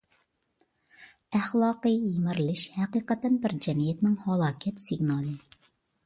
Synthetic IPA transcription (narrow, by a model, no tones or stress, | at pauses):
æχlˠɑːqɨjimɪɾlɪʃhɛqiːqət̪ɛnbɪɾd͡ʒɛmijɛt̪nɪŋhɑlˠɑːkʲʰɛt̪siɡnɑːlˠɨ